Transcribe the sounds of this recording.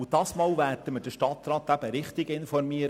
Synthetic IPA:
d̥ɑːsmɑːlʋæːɾdəməd̥əʃtɑt̪rɑːt̪æb̥əɾɪχt̪ɪɡɪnfɔɾmiːəɾ

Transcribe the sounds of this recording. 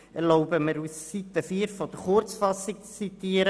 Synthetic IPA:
ɛɾloʊbəməɾussit̪əfiːɾfɔd̪əɾχʊɾt͡sfɑsik̚t͡st͡sit̪iːəɾə

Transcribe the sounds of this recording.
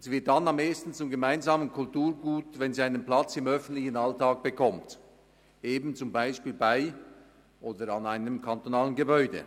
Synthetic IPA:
z̥ivɪɐt̚d̥anameːstn̩t͡sʊmɡəmaɪnzaːmənkʰʊltuːɐɡuːtvɛnziaɪnənpl̥at͡sɪmœfn̩tlɪçn̩altaːk̚b̥əkʰɔmt | ʔeːbn̩t͡sʊmbaɪʃpiːlbaɪ | ʔoːdəɾanaɪnəmkʰantonaːlənɡəbɔʏdə̰

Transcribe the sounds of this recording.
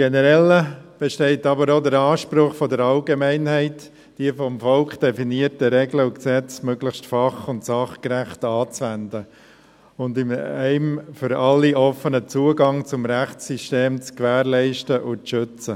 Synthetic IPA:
ɡ̥ɛnəɾɛlːəb̥ɛʃtɛɪtɑbəɾodəɾɑːʃpɾʊχfɔdəɾɑlɡemɛɪnhɛɪt | d̥iəfɔmfɔlkχd̥ɛfiniəɾtəɾɛɡləʊksɛt͡smøɡləxstfɑχʊntsɑχkɾæχtɑːt͡sʋændə | ʊndɪmɛɪmfʏɾɑlːiʔɔfənət͡suːəɡɑŋt͡sʊmɾæχt͡sːiʃteːmt͡skʋæːɾlɛɪʃtəʔʊt͡sʃʏt͡sə

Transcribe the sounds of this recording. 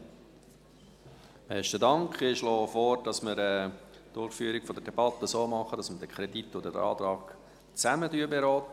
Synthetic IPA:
mɛʃtədɑŋkχɪʃlɔːfoɾd̥ɑsmɪɾɛː | d̥ʊɾχfyːɾikfɔdədɛb̥ɑt̪əsoːmɑχəd̥ɑsmədəkʰχɾɛd̥itːɔdədɑ̰ːt̪ɾɑːɡ̥ | t͡sæmədyəbeɾɔːt̪ə

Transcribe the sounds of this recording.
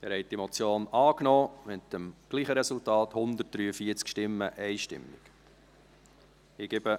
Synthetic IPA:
æɾhɛjt̚d̥imot͡sjoːnɑːknɔːmɪt̪əmɡ̥liːχəɾɛsultɑːt̪hʊnd̪ət̚d̥ɾyːəfiːət͡skʃtɪmːəʔɛɪʃtɪ̰mːɪik | ɪɡ̥ebə

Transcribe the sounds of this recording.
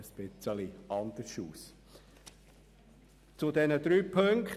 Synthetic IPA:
əspɪt͡səliʔɑnd̪əɾʃuːs | t͡sʊd̪ɛnəd̪ɾyːpʰɵŋkχ

